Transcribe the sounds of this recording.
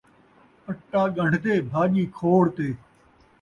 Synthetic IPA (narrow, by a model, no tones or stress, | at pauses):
əʈːaːɡəɳɖ̤ʱt̪eːbʱaːʄiːkʰoːɽt̪eː